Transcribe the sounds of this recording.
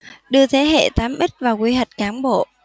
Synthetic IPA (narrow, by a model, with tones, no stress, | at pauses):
ɗɨ˧ət̪ʰe˨˦ɦḛ˧˨t̪aː˨˦mʔi˦˥t̚vaː˨˩wki˧ɦa˨˩jt̟̚kaː˨˦nɓo̰˧˨